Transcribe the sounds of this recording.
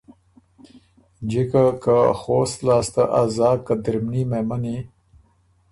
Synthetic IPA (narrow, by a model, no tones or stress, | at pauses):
d͡ʒikakaxoːst̪lɑːst̪aʔazɑːkad̪ɪɾmnimemani